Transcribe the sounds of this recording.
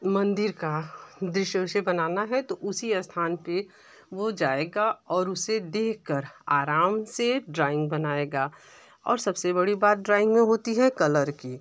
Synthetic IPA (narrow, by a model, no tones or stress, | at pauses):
mɐ̃nd̪ɪɾkad̪ɾɪʃjəʃəbɐnaːnaɦɛt̪oʔʊsiɐst̪ʰaːnpe | ʋod͡ʒaːeːɡaɔːɾʊsed̪eːkʰkəɾaːɾaːmseɖɾaːɪ̃ŋɡ̚bɐnaːeːɡaː | ɔ̰ːɾsɐbsebɐɽibaːt̪̚ɖɾaːɪ̃ŋɡmẽɦoːt̪iɦɛkɐləɾkiː